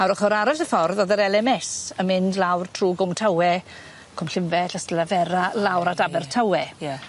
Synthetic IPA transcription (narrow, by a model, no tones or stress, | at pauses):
aɾɔχɔɾaɾasəfɔrðɔðəɾɛlɛmɛsəmɪndlawrtʰruːɡʊmtʰawɛ | kʰʊmɬɪmvɛɬastlavɛɾalˠawɾadabɛrtʰawɛja